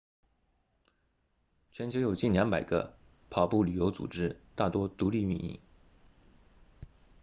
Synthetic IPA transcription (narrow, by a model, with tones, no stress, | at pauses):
t͡ɕʰɥɛ˧˥nt͡ɕjo˧˥ʊjo˨˩ʊt͡ɕi˥˩nljɑ˧˥ŋpa˨˩ɪɡə̰˦ | pʰɑ˨˩ʊpu˥˩ly˨˩jo˧˥ʊt͡sṵ˨˩ʈ͡ʂɻ̩˥t̪a˥˩t̪wɔ˥t̪u˧˥li˥˧y˥˧nḭ˥˩ŋ